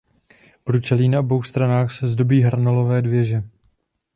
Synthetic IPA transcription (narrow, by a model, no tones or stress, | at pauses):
b̥ɾut͡ʃɛliːnaobo̞wxst̪ɾanaːxsɛzdo̞biːɦɾanolo̞vɛːdvjɛʒɛ